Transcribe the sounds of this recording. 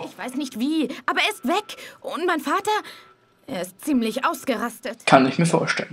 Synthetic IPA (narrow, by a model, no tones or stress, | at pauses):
ʔɪçv̥aɪsnɪçtv̥iːʔaːbɐeːɐɪstv̥ɛkʔʊntmaɪnfaːtɐ | ʔeːɐɪst̚t͡siːmlɪçʔaʊsɡ̥əʁastətkʰanɪçmiːɐfo̰ːɐʃtɛlən